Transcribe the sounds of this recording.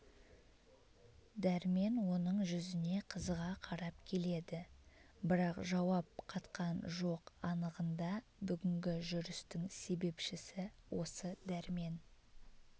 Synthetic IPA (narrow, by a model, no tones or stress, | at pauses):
d̪æɾme̞nwo̞nəɴʒʏzɪne̞qʰəzʁɑqʰɑɾɑpkʲʰe̞le̞d̪ɪ | bɪɾɑqʒɑwɑp̚qʰɑt̪qɑnʒo̞qɑnəʁənd̪ɑ | bʏɡʲɪŋɡʲɪʒʏɾɪst̪ɪŋse̞be̞pʃɪsɪwʔo̞̰səd̪æɾme̞n